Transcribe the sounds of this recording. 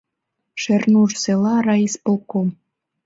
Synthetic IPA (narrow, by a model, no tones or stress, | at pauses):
ʃĕrnuʐselˠɑrɑispŏlˠkom